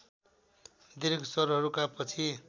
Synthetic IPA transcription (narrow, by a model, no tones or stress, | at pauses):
d̪iɾɡsʌɾɦʌɾukapʌt͡sʰi